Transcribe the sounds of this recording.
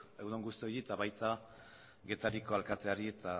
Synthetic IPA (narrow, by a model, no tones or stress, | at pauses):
ewðoŋɡust̪io̞jiet̪aβajt̪a | ɡe̞t̪aɾiko̞alkat̪e̞aɾiet̪a